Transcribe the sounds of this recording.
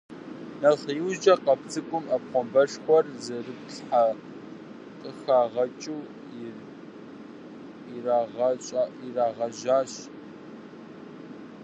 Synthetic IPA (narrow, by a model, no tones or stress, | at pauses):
nɐɬjɪwd͡ʒɐqɐpʰt͡sʰʼɨkʷʼʊmɐp̚qʷɔmbɐʂxʷɔrzɐrɨpɬħa | qʼəxaːʁɐt͡ʃʼuː | iraʁɐɕʼiraːʁɐʒaːɕ